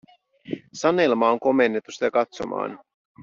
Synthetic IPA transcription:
sɑnelmɑoŋko̞me̞nːet̪ːusi̥t̪ækɑt̪so̞̰mʔɑ̰ːn

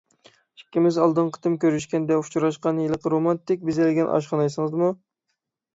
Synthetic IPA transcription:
i̥kʲːɪmɪzɑlˠd̪ɨnqʰə̥t̪ʰɨmkʲøɾyʃkʲɛnd̪ɛu̥t͡ʃʰuɾɑʃqɑnjelˠəqɾomɑnt̪ɪk̚ʲbɪzɛlɪɡʲɛnʔɑ̰ʃqɑnɑjsɨŋɨzmu

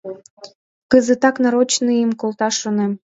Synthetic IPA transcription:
kəzət̪ɑknɑɾot͡ɕnɨjəmkolˠt̪ɑʃonem

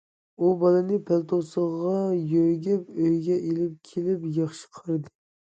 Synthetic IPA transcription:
ubɑlˠɨnɪpʰælt̪ʰosəʁʁɑjøɾɡʲɛpøjɡʲɛʔelɪp̚kʲʰelɪpjɑχʃə̥qʰəɾɨd̪ɨ

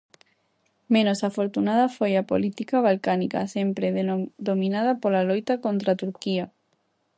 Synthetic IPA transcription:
mẽnosafoɾt̪unað̞ɐfojapo̰lit̪ikaβ̞alkanika̰sempɾeððomĩnað̞ɐpolalojt̪akõnt̪ɾat̪uɾkia

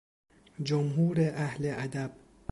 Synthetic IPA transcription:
d͡ʒomɦuːɾeʔæhleʔæd̪æb̥̚

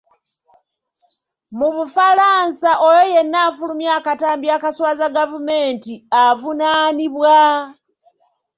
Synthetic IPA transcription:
mumufalaːnsaʔojoje̞nːaːfulumjaːkataːmbjakaswaːzaɡavume̞ːntiavunaːniβwa

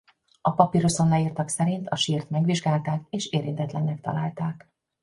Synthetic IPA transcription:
ɒpɒpiɾoso̞nːɒiːrt̪ɒksɛɾint̪ɒʃiːrt̪mɛɡʋiʒɡaːlt̪aːkeːʃeːɾint̪ɛt̪lɛnːɛk̚t̪ɒ̰laːlt̪aːk

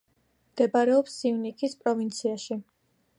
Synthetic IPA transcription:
md̪̥ɛbaɾɛɔpsːivnikʰispʼɾɔvint̪sʰiaʃi

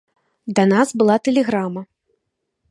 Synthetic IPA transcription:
d̪ɐnazbɨlˠat̪ɛlʲɛɣɾamɐ

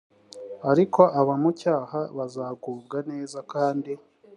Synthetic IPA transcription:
aɾikʰo̞ʔaβamucaːhaβazaːɡuːbɡane̞ːzakaːndi

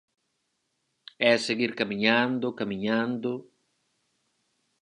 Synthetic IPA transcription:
ɛseɣiɾkamiɲãnd̪ʊkamĩɲãnd̪ʊ

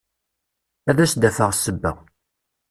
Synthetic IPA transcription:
æðæsd̪æfəʁsəbːæ̰

